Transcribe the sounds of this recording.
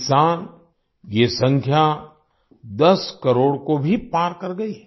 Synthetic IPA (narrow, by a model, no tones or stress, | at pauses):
saːn | jesɐ̃ŋkʰja | d̪ɐskɐɾoːɽkobʱipaːɾkɐɾɡɐiː